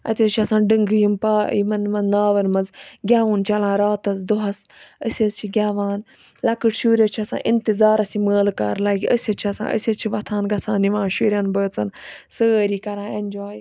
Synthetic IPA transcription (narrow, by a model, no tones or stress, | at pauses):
ɐ̰t̪ʲɐt͡ʃʰiɐsãːnɖɨŋɡɨjimpaːḭmɐnmɐnnaːʋɐnmɐnzɡʲaːʋuːnt͡ʃʰɐlãːɾaːt̪ɐzd̪uɦɐsəsʲɐzt͡ʃʰiɡʲaːʋaːn | lɐkɨʈʃuːɾʲɐt͡ʃʰiɐsã̰ːʔint̪izaːɾɐsiməːlka̰ːɾlaːɡiəsʲɐt͡ʃʰiɐsã̰ːʔə̰sʲɐt͡ʃʰiʋɐt̪ʰãːnɡɐsʰãːnːiʋãːnʃuːɾʲjaːnbəːt͡sɐnsəːɾiːkɐɾãːenʲd͡ʒaːj